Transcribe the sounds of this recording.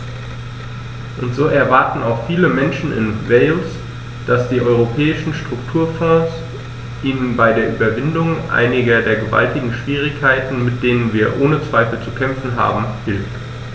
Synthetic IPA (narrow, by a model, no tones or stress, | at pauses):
ʔʊntz̥oːʔɛɐvaɐtn̩a̰ʊxfiːləmɛnʃn̩ɪ̰nvɛɪls | d̥asd̥iːʔɔʏʁ̞opʰɛːɪʃn̩ʃtʁ̥ʊktʰuːɐfɔ̃ːs | ʔiːnənbaɪdeːɐʔyːbɐvɪndʊŋʔa̰ɪnɪɡɐdeːɐɡəva̰ltɪɡŋ̩ʃv̥iːʁ̞ɪçkʰːaɪtn̩mɪt̚d̥eːnənviːɐʔoːnət͡sv̥aɪfl̩t͡sukʰɛmfn̩ɦa̰ːbm̩hɪlft